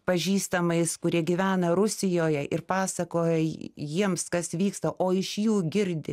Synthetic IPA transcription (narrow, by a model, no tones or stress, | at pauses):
pɐʒʲiːst̪ɐmɐɪskʊɾʲiɛɡʲiʋʲæːnɐɾʊsʲɪjoːjɛʔɪɾpɑːsɐkoːjɛjiɛmskɐsʋʲiːkst̪ɐʔoːɪʃjuːɡʲɪɾʲd̪ʲɪ̰